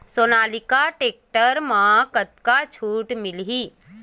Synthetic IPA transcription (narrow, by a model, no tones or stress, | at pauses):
soːnaːlɪkaʈeːk̚ʈəɾmãkət̪̚kat͡ʃʰuːʈmɪlɦiː